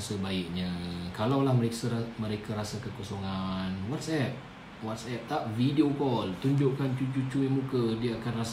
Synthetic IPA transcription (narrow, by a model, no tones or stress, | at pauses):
sabaɪk̚ɲãkalawlahməɾesamə̃ɾekaɾasakəkosoŋanwat̪sɛp̚ | wat̪̚sɛp̚t̪aʔvidiokɔlt̪uɲd͡ʒʊʔkant͡ʃut͡ʃut͡ʃuimukədiaakanras